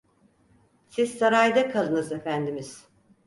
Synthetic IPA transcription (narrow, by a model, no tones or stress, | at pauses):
sizsaɾajd̪akʰalˠɯnɯze̞fænd̪imiz̥